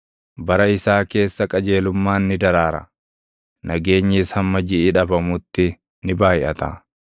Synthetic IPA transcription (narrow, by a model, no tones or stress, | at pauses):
bɐɾɐɪsaːke̞ːsːɐkʼɐd͡ʒe̞ːlʊmːaːnːɪd̪ɐɾaːɾɐ̰ | nɐɡe̞ːɲːɪshɐmːɐd͡ʒɪɪᶑɐbɐmʊt̪ːɪ | nɪbaːjɪʔɐt̪a̰ː